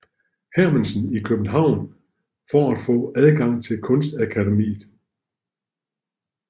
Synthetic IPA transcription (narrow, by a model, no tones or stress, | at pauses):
hæɐmənsənikʰøb̥n̩ɦɑ̈ʊ̰n | fɒæd̥fɔ̰̽ːæðˠɡ̥ɑ̈ŋ̰t͡sʰe̝lkʰɔ̽nsd̥ækʰædemḭːð̩ˠ